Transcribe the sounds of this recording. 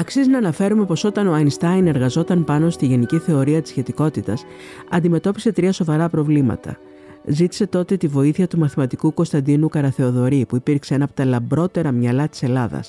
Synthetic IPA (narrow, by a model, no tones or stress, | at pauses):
ɐksiznɐːnɐfe̞ɾume̞po̞so̞t̪ɐnoɐjnst̪ɐjne̞ɾɣɐzo̞t̪ɐnpɐno̞st̪iʝe̞niciθe̞o̞ɾiɐt̪i̥sçe̞t̪iko̞t̪it̪ɐs | ɐnd̪ime̞t̪o̞pi̥se̞t̪ɾiɐso̞vɐɾɐpɾo̞vlimɐ̰t̪ɐ̰ | zit̪i̥se̞t̪o̞t̪e̞t̪ivo̞iθiɐt̪umɐθimɐt̪ikuko̞st̪ɐnd̪inukɐɾɐθe̞o̞ðo̞ɾipuipiɾkseenɐpot̪ɐlɐmbɾo̞t̪e̞ɾɐmɲɐlɐt̪i̥se̞lɐðɐ̰s